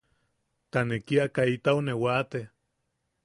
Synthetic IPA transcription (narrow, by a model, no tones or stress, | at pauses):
t̪anekiakait̪aonewat̪e